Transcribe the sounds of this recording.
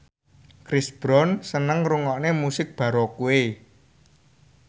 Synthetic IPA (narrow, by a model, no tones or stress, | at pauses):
kɾɪsb̥ɾɔnsənəŋruŋɔʔnemusɪk̚b̥ä̤ɾɔkuwe